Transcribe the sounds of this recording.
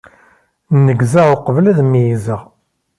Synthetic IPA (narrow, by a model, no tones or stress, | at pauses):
nːəɡzæʁʊqəvlæðmijizəʁ